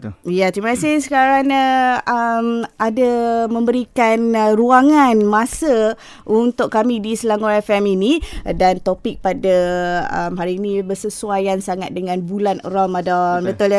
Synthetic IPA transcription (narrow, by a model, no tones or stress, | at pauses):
jat̪ɾimakasɪhsə̥kaɾanaəmadamə̃mbəɾikanruaŋanmãsə | unt̪ʊkkːamidisəlaŋoɾafɛminidant̪opɪk̚padaə̰mɦaɾiːnibərsəsuajansaŋat̪̚dəŋãnbulanə̰ɾɔlmadɔnbət̪ʊl